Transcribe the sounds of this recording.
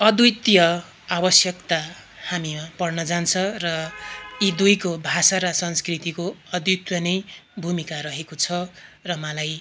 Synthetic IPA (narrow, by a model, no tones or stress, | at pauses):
ʌd̪ut̪jʌ | abʌsjʌkt̪a | hamimapʌrnʌd͡zant͡sʰʌrʌid̪ujkobʱasaɾʌsʌnskrit̪ikoʌd̪jut̪jʌnʌjbʱumikaɾʌɦekot͡sʰʌrʌmʌlaj